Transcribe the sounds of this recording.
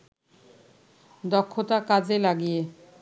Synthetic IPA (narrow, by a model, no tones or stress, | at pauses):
d̪ɔkʰːot̪akad͡ʑelaɡije